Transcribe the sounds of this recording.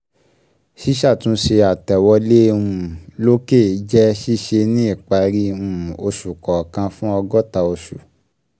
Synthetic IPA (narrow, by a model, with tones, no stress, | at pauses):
ʃi˦ʃa˦˨tũ˨˦ʃe˧a˨tɛ˨wɔ˧le˦˧ũ˦˨lo˦ke˦˨˦d͡ʒɛ˦ʃi˦ʃe˧nĩ˦i˦˨k͡pa˧ɾi˦ũ˦˨o˧ʃu˨kɔ˨kã˧fũ˦ɔ˧ɡɔ˦ta˧o˧ʃu˨